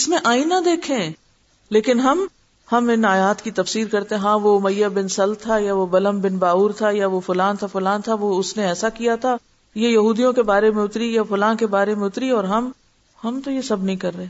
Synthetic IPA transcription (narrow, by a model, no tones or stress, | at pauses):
ɪsmẽʔaːinːad̪eːkʰẽː | leːkɪnɦɐm | hɐmɪnaːjaːt̪kit̪ɐfsiːɾkɐɾt̪eɦɛ̃ɦãːʋomɐjːabɪnsɐlt̪ʰajaʋobɐləmbɪnbaːuːɾt̪ʰajaʋofʊlaːnt̪ʰafʊlaːnt̪ʰaʋoʊsneɛːsakijat̪ʰa | jejɐɦuːd̪ijõkebaːɾemẽʊt̪ɾijafʊlãːnkebaːɾemẽʊt̪ɾiɔːɾɦɐm | hɐmt̪ojesɐbʱnɐɦĩkɐɾːɐẽː